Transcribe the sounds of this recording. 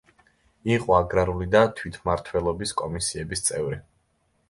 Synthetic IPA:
iqʼɔaɡɾaɾulid̪at̪ʰwit̪ʰmaɾt̪ʰwɛlˠɔbiskʼɔmisiɛbist̪sʼɛvɾi

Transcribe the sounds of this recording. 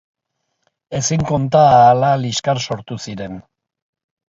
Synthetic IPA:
e̞siŋko̞nt̪aːlaliskaɾso̞ɾt̪usiɾe̞n

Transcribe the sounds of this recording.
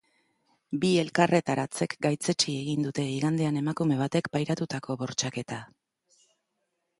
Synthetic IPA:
bie̞lkare̞t̪aɾat͡se̞kɡajt͡se̞t͡ʃie̞ɣind̪ut̪e̞iɣand̪e̞ane̞makume̞β̞at̪e̞kpajɾat̪ut̪akʰo̞βo̞ɾt͡ʃake̞t̪a

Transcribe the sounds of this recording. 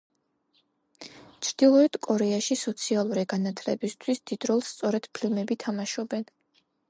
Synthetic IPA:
t͡ʃʰɾd̪̥ilˠɔɛd̪̥kʼɔɾɛaʃisɔt̪sʰialˠuɾiɡanat̪ʰlɛ̰bist̪ʰwisd̪̥id̪ɾɔlˠst̪sʼɔɾɛd̪̥pʰilˠmɛbit̪ʰamaʃɔbɛn

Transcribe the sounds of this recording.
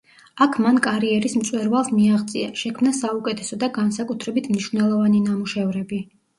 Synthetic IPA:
akʰmankʼaɾiɛɾismt̪sʼwɛɾvalˠsmiaʁt̪sʼiaʃɛkʰmnasaukʼɛt̪ʰɛsɔd̪aɡansakʼut̪ʰɾɛbit̪ʰmniʃvnɛlˠɔvaninamuʃɛvɾɛbi

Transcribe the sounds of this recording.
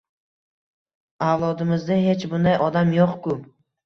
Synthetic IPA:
awlˠɒd̪ɪmɪzd̪ahe̞t͡ʃbʊnd̪ajʔɒd̪amjoqkʊ

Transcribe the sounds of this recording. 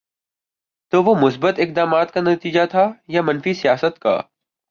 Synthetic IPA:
t̪oːʋomʊsbət̪ɪk̚d̪aːmaːt̪̚kanɐt̪iːd͡ʒat̪ʰajamɐnfisijaːsət̪ka̰ː

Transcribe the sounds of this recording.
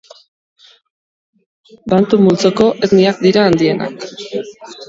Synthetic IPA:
bant̪umult͡soko̞ʔezniak̚d̪iɾaːnd̪ie̞na̰k

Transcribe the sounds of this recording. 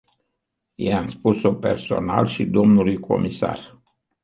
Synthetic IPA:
jejamspusope̞rso̞nalʃid̪o̞mnulujkʰo̞̰mʔisa̰r

